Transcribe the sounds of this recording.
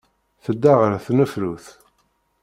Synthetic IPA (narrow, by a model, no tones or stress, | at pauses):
θəd̪ːaʁəɾθnəfluθ